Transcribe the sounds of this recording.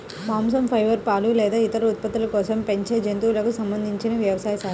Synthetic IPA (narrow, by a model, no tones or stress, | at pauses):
maːms̬ɐmpʰɐjʋɐɾpaːlulɛːd̪aːit̪ɐɾuːt̪̚pɐt̪ːulɐkɔːsɐmpeɲt͡ʃeːd͡ʒent̪ulɐkusɐmbɐnd̪ʱiɲt͡ʃinɐʋjɐʋɐsaːjɐsaːɾu